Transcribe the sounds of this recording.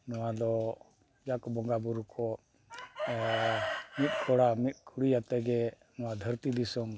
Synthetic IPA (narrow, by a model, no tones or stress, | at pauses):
nɔwad̪ɔ | d͡ʒakbɔŋɡabuɾukʰɔ | mit̪̚ˀkʰɔɽamit̪̚ˀkʰuɽijat̪ɛɡɛ | nɔwad̪ʱəɾt̪id̪isɔm